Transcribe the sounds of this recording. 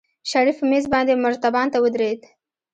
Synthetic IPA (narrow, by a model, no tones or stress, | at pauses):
ʃaɾifmezbɑnd̪emʊɾt̪abɑnt̪awəd̪ɾed̪